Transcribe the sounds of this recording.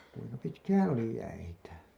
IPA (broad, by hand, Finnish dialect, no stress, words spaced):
kuiŋkɑ pitkæːn oli jæitæ